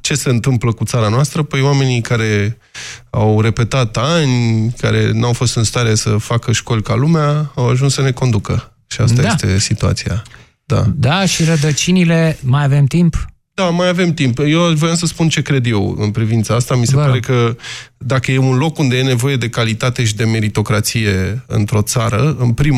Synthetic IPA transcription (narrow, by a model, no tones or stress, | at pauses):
t͡ʃe̞se̞ɨnt̪ɨmpləkut̪saɾanoast̪ɾəpəjwame̞nikaɾe̞ | awre̞pe̞t̪at̪anʲkaɾe̞̰nawfo̞st̪ɨnst̪aɾe̞səfakəʃko̞lʲkalumeaawaʒunssəne̞ko̞nd̪ukə | ʃiasajet̪e̞sit̪ua̰t̪sia̰ | d̪a̰d̪aʃiɾəd̪ət͡ʃinile̞majave̞mt̪imp | d̪̥amajave̞mt̪impjewavojamsəspunt͡ʃe̞kɾe̞d̪je̞wɨ̰npɾivint̪saast̪amise̞ppaɾe̞kəd̪akəje̞unlo̞kund̪e̞je̞ne̞vo̞je̞d̪e̞kalit̪at̪e̞ʃid̪e̞me̞ɾit̪o̞kɾat̪sije̞ɨ̰nt̪ɾo̞t̪saɾəɨnpɾim